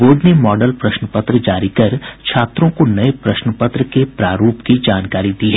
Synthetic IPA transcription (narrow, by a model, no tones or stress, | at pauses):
boːɖnemɔːɖəlpɾɐʃnəpət̪ɾəd͡ʒaːɾikɐɾt͡ʃʰaːt̪ɾõkonɐepɾɐʃnəpət̪ɾəkepɾaːɾuːpkid͡ʒaːnkaːɾid̪iɦɛː